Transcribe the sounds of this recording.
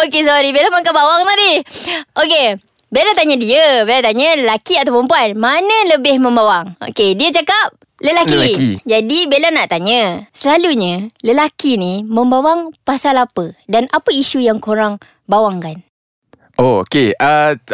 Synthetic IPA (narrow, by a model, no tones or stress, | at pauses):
okes̬ɔɾibelamaŋkabawaŋnãt̪iʔoke | belat̪aɲə̃diəbelat̪aɲə̃ləlakiat̪awpəmpuanmanə̃ləbɪhmə̃mbawaŋo̰kediət͡ʃakap̚ | ləlakid͡ʒadibelanaʔt̪aɲə̃səlaluɲələlakinimə̃mbawaŋpasalapədanapəiʃujaŋkoɾaŋ | bawaŋkan | ʔookeə